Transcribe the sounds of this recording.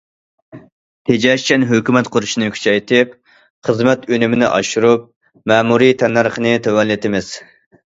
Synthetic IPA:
t̪ʰed͡ʒɛʃt͡ʃʰɛnɦøkʲymɛt̪qʰʊɾuʃinɨkʲʰy̥t͡ʃʰɛjt̪ʰɪp̚ | χəzmɛt̪ønɪmɪnɪʔɑ̰ʃuɾup̚ | mɛːmuɾit̪ʰɛnːɑɾχənɨt̪ʰewɛnlːɪt̪ɪmɪz̥

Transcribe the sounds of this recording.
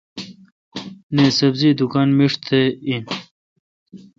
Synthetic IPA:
nesɐbzid̪ukanmiʂt̪ʰein

